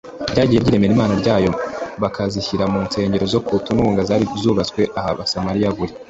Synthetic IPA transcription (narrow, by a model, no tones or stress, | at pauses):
ɟaːɟiːje̞ɾɟiːɾe̞me̞ɾimaːnaɾɟaːjo̞βakʰaziçiɾamunse̞ːɲɟe̞ɾo̞zo̞kutunuːŋɡazaːɾikuzuːβat͡skwe̞ʔahaβasamaɾijaβuɾi